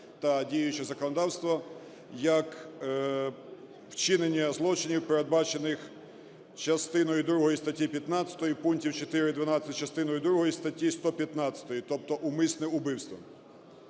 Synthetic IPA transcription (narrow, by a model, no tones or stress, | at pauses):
t̪ɐdʲijjʊt͡ʃɛzɐkɔnɔd̪ɑwst̪ʋɔ | jɐk | wt͡ʃɪnenʲːɐzlˠɔt͡ʃɪnʲiwpeɾed̪̚bɑt͡ʃenɪx | t͡ʃɐst̪ɪnɔjid̪ɾuɦɔjist̪ɐtʲːipʲjɐt̪nɑt͡sʲɐ̥t̪ɔjipunkʲtʲiwt͡ʃet̪ɪɾɪd̪ʋɐnɑsʲɐt͡ʃɐst̪ɪnɔjʊd̪ɾuɦɔjist̪ɐtʲːist̪ɔpʲjɐt̪nɑsʲɐ̥t̪ɔjit̪ɔp̚t̪ɔʔumɪsnɪʊbɪwst̪ʋɐ̰